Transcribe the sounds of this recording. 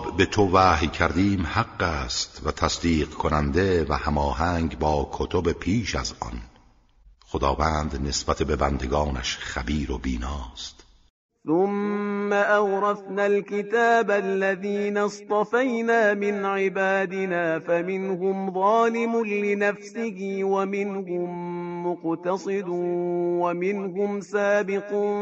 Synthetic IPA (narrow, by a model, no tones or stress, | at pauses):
bbe̞t̪ʰovæːɦjcʰæɾd̪iːmhaqːæːst̪væt̪ʰæsd̪iːqkʰonænd̪e̞væhæmɒːɦæŋɡbɒːkʰot̪ʰobe̞pʰiːʃæ̰zɒ̰n | xod̪ɒːvæːnd̪nesbæt̪ʰe̞be̞bænd̪e̞ɡɒːnæ̰ʃχæbiːɾobiːnɒːst̪ | θʊmːaʔawɾˤɑfnalkɪt̪aːbalːaðiːnast̪ˤɑfajnaːmɪnʕɪbaːd̪ɪnaːfamɪnhʊmðˤɑːlɪmʊnlɪnafsɪhiːwamɪnhʊmːʊqt̪ɑsˤɨd̪uwamɪnɦʊmsaːbɪquːn